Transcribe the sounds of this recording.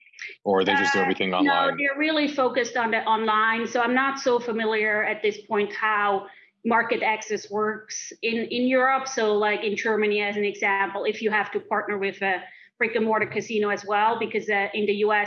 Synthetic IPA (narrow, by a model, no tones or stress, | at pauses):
əðeɪd͡ʒʌsdɛvɹiθɪ̃ŋnoʊðə˞ɹɪlˠifoʊkɨstn̩ðɨʔɑ̃nlãɪ̃nsoʊãɪ̃mnətsoʊfəmɪlˠjə˞ɨt̪̚ðɪspʰɔ̃ɪ̃nt̚haʊ | mɑɹkɨɾæksɛswɜ˞ksɪ̃nɪ̃njʊɹəpsoʊlaɪkɨ̃nd͡ʒɜ˞mɨniɨzɨ̃n̩ɨɡzæ̃mpl̩ˠɪfjɨhæftɨpʰɑɹtⁿnə˞wɪðɨ | b̥ɹɪkɨ̃mɔɹɾɨkʰɨsĩñoʊɨzwɛlˠbɨkʰʌzɨʔɪ̃nðɨjʉɛ